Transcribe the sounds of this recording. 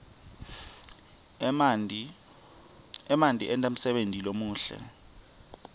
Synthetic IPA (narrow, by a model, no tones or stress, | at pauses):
ɛmantʼiʔɛntʼam̩sɛɓentʼilomuːɬɛ̰